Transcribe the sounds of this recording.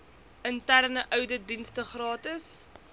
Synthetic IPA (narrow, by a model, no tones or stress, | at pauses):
əntærnəʔœwdədinstəχrɑːtəs